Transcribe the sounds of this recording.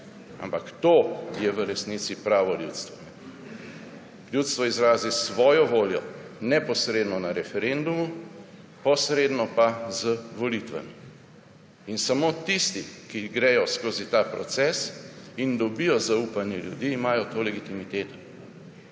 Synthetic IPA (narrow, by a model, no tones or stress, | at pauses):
a̰mpakt̪oːjɛʋəɾɛsnit̪sipɾaːʋɔljṵːt̪st̪ʋɔ̰nɛ | ljuːt̪st̪ʋɔizɾaːzisʋɔːjɔʋoːljɔ̰nɛpɔsɾeːd̪nɔnaɾɛfɛɾend̪umu | pɔsɾeːd̪nɔpazəʋɔlit̪ʋa̰mi | insamoːt̪ist̪ikiɡɾɛjɔskoːzit̪aːpɾɔ̰t̪sɛsind̪ɔbijɔzaupanjɛljṵd̪iːmaːjɔt̪oːlɛɡit̪imit̪eːt̪ɔ̥